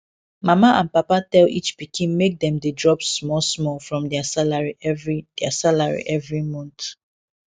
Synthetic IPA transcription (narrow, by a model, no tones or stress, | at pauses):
mamaʔãnpapatɛlḭt͡ʃpikʰĩnmek̚d̪ɛ̃mdedɹɔpsmɔlsmɔlfɹɔ̃mdɛasalaɹiɛvɹid̥ɛasalaɹḭʔɛvɹimɔ̃nt